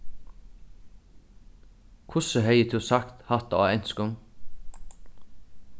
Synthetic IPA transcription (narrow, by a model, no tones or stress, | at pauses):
kʰʊsəhœʏət̪ʰʉːsɑkt̪hɑt̪ɑ̰ːœnskʊm